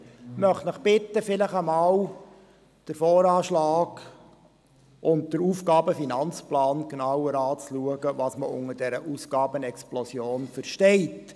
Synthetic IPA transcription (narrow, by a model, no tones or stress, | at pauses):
mœχtnəχb̥ɪt̪ːəfɪləχəmɑːw | d̥əɾfɔːɾɑːʃlɑːɡ | ʔʊnt̚d̥əɾuːfɡɑːbəfinɑnt͡splɑːnknɑwəɾɑːt͡sluəɡəʋɑːsməʔʊŋədɛɾəʔusɡ̥ɑːbənɛksplɔsjoːnfəɾʃtɛɪt